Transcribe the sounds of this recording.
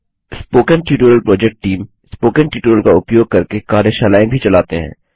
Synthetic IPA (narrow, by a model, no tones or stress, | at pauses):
spoːkənʈjuːʈuːɾəlpɾɔːd͡ʒɛk̚ʈːiːm | spoːkə̃nʈjuːʈuːɾəlkaʊpjoːɡ̚kɐɾkekaːɾjeʃaːlaːẽbʱit͡ʃɐlaːt̪eɦɛ̰̃ː